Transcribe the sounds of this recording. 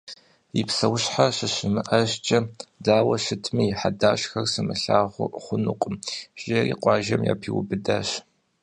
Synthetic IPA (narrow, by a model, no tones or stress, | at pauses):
ipsɐwɕħaɕɨɕɨmɨʔɐʑt͡ʃʼɐdaːwɐɕɨtʰmijħadaːɕxɐrsɨmɨɬaːʁʷʊ̰χʷʊnʊqʷʼʊmɕerḭːqʷʼɑːʒɐmja̰ːpʰiwʊ̰bɨdaːɕ